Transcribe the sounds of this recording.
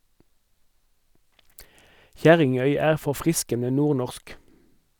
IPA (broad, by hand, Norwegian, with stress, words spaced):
ˈçæʁɪŋœʏ ˈæːʁ fɔʁˈfʁɪskənə ˈnuːʁˌnɔʁsk